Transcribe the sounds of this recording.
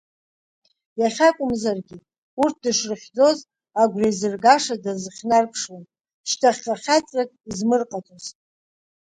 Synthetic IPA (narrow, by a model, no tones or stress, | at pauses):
jaχʲakʷʼʊmzarɡʲi | urt̚ʰdɨʂrɨχʲd͡zo̞z | aɡʷrajzɨrɡaʂadazɨχʲnarpʰʂwan | ʃtʰaχʲqaχʲat͡sʼrakʼizmɨrqʼatʼozʼ